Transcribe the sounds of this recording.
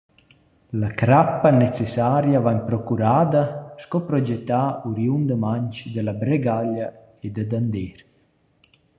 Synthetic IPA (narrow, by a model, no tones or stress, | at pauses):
lakɾapːanɛt͡sesaɾjavaɲpɾɔkuɾaːd̪aʃkɔpɾɔd͡ʒɛt̪ːauɾjund̪əmaɲt͡ʃd̪əlabɾeɡala | ed̪əd̪and̪eɾ